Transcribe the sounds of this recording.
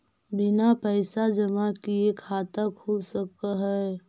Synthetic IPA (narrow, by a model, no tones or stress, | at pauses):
bɪnapəɪsad͡ʒəmakiekʰaːt̪akʰulsəkaɦɛ